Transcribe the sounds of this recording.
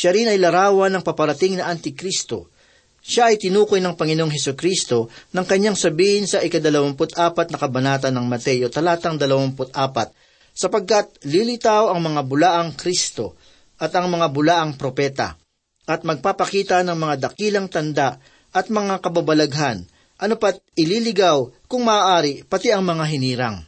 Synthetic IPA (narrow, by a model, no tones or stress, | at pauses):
ʃaɾɪnɐjlɐɾaːwɐnɐŋpɐpɐɾɐt̪ɪŋnɐʔɐnt̪ɪkɾist̪o̞̰ | ʃaʔɐjt̪ɪnuːkojnɐŋpɐŋɪnooŋɦɛsʊkɾist̪o̞nɐŋkɐɲaŋsɐbiːhɪnsɐʔɪkɐd̪ɐlɐwampʊt̪ʔaːpɐt̪̚nɐkɐbɐnaːt̪̬ɐnːɐŋmɐt̪ɛjot̪ɐlaːt̪ɐŋd̪ɐlɐwampʊt̪ʔaːpɐt̪̚ | sɐpɐɡ̚kɐt̪̚lilɪt̪awɐŋmɐŋabʊlaːʔɐŋkɾist̪o̞ | ʔɐt̪ɐŋmɐŋabʊlaːʔɐŋpɾo̞pɛt̪ɐ̰ | ʔɐt̪̚mɐɡ̚papɐkiːt̪ɐnɐŋmɐŋad̪ɐkiːlɐŋt̪ɐnd̪aʔ | ʔɐt̪̚mɐŋakɐbabɐlɐɡɦan | ʔɐnopɐt̪̚ɪlilɪɡawkʊŋmɐʔaːʔaːɾɪpɐt̪iʔɐŋmɐŋaɦɪniːɾɐŋ